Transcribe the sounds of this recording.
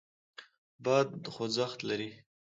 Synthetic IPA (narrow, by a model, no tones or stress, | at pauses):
bɑd̪χozaxt̪laɾi